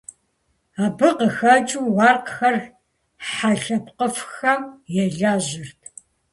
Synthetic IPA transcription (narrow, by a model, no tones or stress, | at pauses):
aːbɨqəxɐt͡ʃʼuːwɑːrqxɐr | ħaɬɐpqəfxɐmjɛɮaːʑɪrtʰ